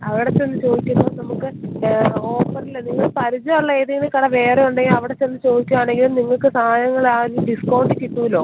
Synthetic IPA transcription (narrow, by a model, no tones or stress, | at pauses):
ɐʋiɽet͡ɕːe̞nːɨt͡ɕo̞ːd̪ikʲːumːoːnɐmukːɨ | oːpːɐrilːɐniŋːɐɭpɐɾud͡ʑɐɐɭːɐeːðɐŋːɡɐlekɐɽɐʋe̞ːreuɳɖeŋɐʋiɽet͡ɕːenːɨt͡ɕo̞ːd̪ikʲːuʋaːɳe̞ŋɡilumniŋːɐɭkɨsaːaːjɐŋːɐɭaːɾumɖiskɐwɳɖikʲːiʈːuːilo̞ː